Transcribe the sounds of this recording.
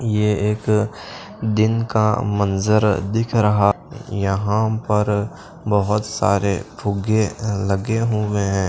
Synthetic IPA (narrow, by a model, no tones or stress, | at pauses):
jeeːk | d̪ɪnkamɐnzəɾd̪ɪkʰɾɐɦa | jɐɦãpɐɾ | bɐɦʊt̪sa̰ːɾepʰʊɡelɐɡeɦʊeɦɛ̃ː